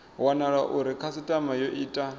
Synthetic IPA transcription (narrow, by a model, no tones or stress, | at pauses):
wanaɺaʔuɾikʰasitʼamajɔʔiːtʼa